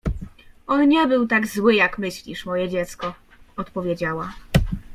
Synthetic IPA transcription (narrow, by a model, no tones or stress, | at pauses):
ɔnɲɛbɘwt̪aɡzwɘjakmɘɕlʲiʂmɔjɛd͡ʑɛt̪skɔ | ɔt̪pɔvʲjed͡ʑawa